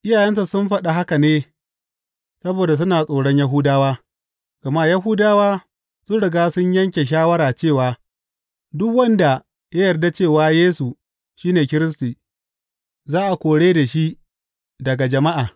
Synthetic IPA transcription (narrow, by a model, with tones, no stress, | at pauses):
ʔɪ˦jaː˨jɛ˦nsa˨sʊ˦mɸɐ˦ɗa˨ɦa˦ka˨neː˦ | sɐ˦boː˨da˨s̬ʊ˦naː˨sʼoː˨ɽɔ˦ɲjɐ˦ɦuː˦daː˦waː˦ | ɡ̥ɐ˨ma˦ja˦ɦuː˦daː˦waː˦ | sʊ˦nɽɪ˨ɡaː˦sʊ˦ɲjɐ˦ŋkʲe˨ʃ̬aː˦wɐ˦ɾaː˨t͡ʃeː˦˨waː˨ | dʊ˦kwɐ˦nda˨ | jɐ˦jɐ˨rda˦t͡ʃeː˦˨waː˦jeː˦su˨ | ʃiː˦neː˨kʲɪ˦ɾɪ˦s̬tiː˨ | zaː˦ʔa˨kʷoː˨ɽeː˦da˨ʃi˦ʔ | dɐ˨ɡa˨d͡ʒɐ˨ma˦ʔaː˨